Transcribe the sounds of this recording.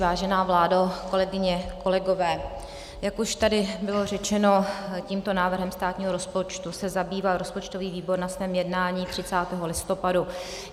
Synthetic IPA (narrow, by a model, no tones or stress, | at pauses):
vaːʒɛnaːvlaːdako̞lɛɡɪɲɛko̞lɛɡo̞vɛː | jakuʃt̪adɪbɪlo̞rɛt͡ʃɛno̞ciːmt̪o̞naːvr̩ɦɛmst̪aːt̪ɲiːɦo̞ɾo̞spo̞t͡ʃt̪usɛzabiːvalɾo̞spo̞t͡ʃt̪o̞viːviːbo̞ɾnasvɛːmjɛdnaːɲiːt̪r̝̥ɪt͡saːt̪ɛɦo̞lɪst̪o̞padu